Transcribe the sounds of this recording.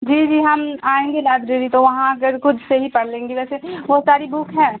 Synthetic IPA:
d͡ʒiːd͡ʒiːɦɐmaːẽːŋɡenaːd̪ɾeɾit̪oʋɐɦãɐɡəɾkʊd̪ʱseɦipɐɽ̤lẽːŋɡiʋɛːseboːt̪saːɾibukʰɦɛ̃ː

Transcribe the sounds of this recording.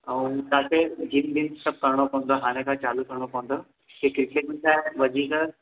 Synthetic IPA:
ɐũt̪ãːkʰed͡ʑind̪insɐb̚kɐɾɽ̃opɐ̃ʋə̃nd̪aɦaːɽ̃ẽkʰãt͡ɕaːlukɐɾɽ̃opɐʋə̃nd̪o | kekɾɪkeʈmĩnt̪aːɦeʋɐd͡ʑʱikə

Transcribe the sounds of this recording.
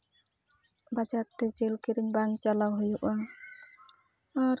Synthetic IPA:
bad͡ʒaɾt̪ːɛd͡ʒelkiɾiŋbaŋt͡ʃalawɦujuʔa | aɾ

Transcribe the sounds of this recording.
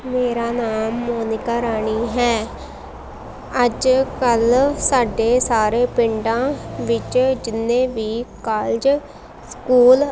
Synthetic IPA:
meːɾaːnaːmːoːnɪkaːɾaːɳ̃iːɦɛː | əd͡ʒkəlsaːɖeːsaːɾeːpɪɳɖãːʋɪt͡ʃd͡ʒɪnːẽːʋiːkaːld͡ʒ | skuːl

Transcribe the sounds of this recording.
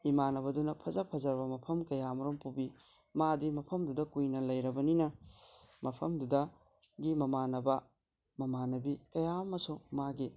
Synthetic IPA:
imanɐbɐdunɐpʰɐzɐpʰɐzɐɾbɐmɐpʰɐmkɐjamɐɾompubi | madimɐpʰɐmdudɐkujnɐlɐjɾɐbɐninɐ | mɐpʰɐmdudɐ | ɡimɐmanɐbɐ | mɐmanɐbikɐjamɐsumaɡi

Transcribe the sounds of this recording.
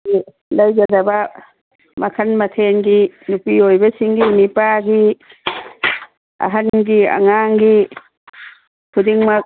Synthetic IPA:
i | lɐjd͡ʒɐdɐbɐ | mɐkʰɐnmɐtʰeŋɡinupiojbɐsiŋɡimipaɡi | ɐ̰ɦɐnɡiɐ̰ŋaŋɡi | kʰudiŋmɐk̚

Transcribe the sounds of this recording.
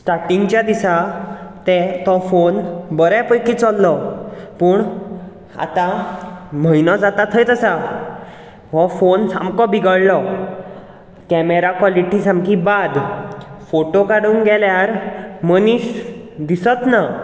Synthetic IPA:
sʈaɾʈĩŋɡt͡ɕjad̪isat̪ɛt̪ɔfonbəɾjapəjkit͡sɔlːɔpuːɳ | a̰t̪ã | m̤əinɔd͡zat̪at̪ʰəjt̪əsa | ɦɔfonsa̰mkɔbʱiɡəɽlɔ | kɛmeɾakʋɔliʈisãmkibad̪foʈokaɽuːŋɡɛljaɾməniːsd̪isət̪na

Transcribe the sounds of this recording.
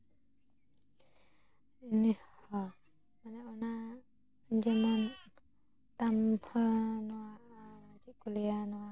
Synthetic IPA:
inihɔ | manɛɔna | d͡ʒɛmɔn | t̪amhɔnɔwaʔd͡ʒikulijanɔwa

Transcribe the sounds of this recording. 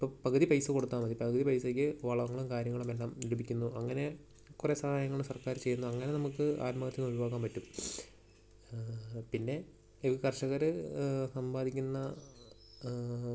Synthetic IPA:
ipːoːpɐɣɐðipɐjsɨko̞ɽut̪ːaːmɐðipɐɣɐðipɐjseːk̬ʲːɨʋɐɭɐʋɐŋːɐɭumkaːɾjɐŋːɐɭume̞lːaːmilubʱikʲːunːuʔɐŋːɐne̞ | kuresɐhaːjɐŋːɐɭumsɐrkaːɾt͡ɕe̞jːunːuɐŋːɐne̞nɐmukːɨa̰ːtmɐɣɐt̪ːinːuɾuʋaːɣaːmpɐtːum | pinːe̞ | iɨkɐrʂɐɣɐɾɨsɐmbaːd̪ikʲːunːɐ

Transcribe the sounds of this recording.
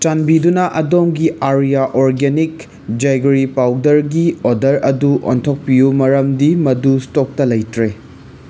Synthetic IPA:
t͡ʃanbidunɐʔɐdomɡiʔaɾijaʔoɾɡenik | d͡ʒajɡɾipawdɐɾɡiodɐɾɐduʔo̰ntʰok̚pijumɐɾɐmdimɐdustok̚tɐlɐjtɾe

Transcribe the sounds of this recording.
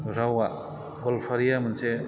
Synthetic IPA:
ɾawa | ɡɔlpʰaɾijamanse

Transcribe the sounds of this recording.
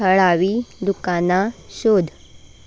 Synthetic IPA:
əɭaʋiːlukanaɕod̪ʱ

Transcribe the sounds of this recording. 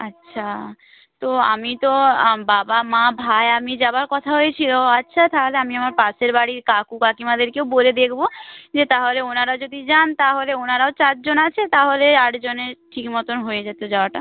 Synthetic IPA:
atːʃʰa | t̪oa̰mit̪obabamãbʱaeamid͡ʑabaɾkɔt̪ʰaɦoet͡ɕʰiloatːɕʰat̪aɦoleamiamaɾpaʃeɾbaɽiɾkakukakimad̪eɾkewboled̪ekʰbod͡ʑet̪aɦoleonaɾaod͡ʑod̪ʱid͡ʑant̪aɦoleonaɾaot͡ɕaʈd͡ʑonat͡ɕʰet̪aɦoleaʈd͡ʑoneʈʰikmɔt̪onɦojed͡ʑat̪ed͡ʑaoaʈa

